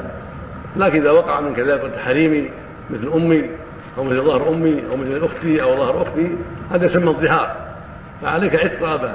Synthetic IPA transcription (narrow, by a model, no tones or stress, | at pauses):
laːkɪnʔɪðawɑqɑʕamɪnkaðaːlɪkʊt̪ːħaɾiːmi | mɪθlʔʊmːi | ʔawmɪθlðˤɑhɾʔʊmːiʔa̰wmɪθlʔʊxt̪iʔawðˤɑhɑɾʔʊxt̪ihaːd̪ajsamːaðˤːɨɦɑːɾˤ | faʕaleːkaʕɪd̪̚ˤɾɑʔaba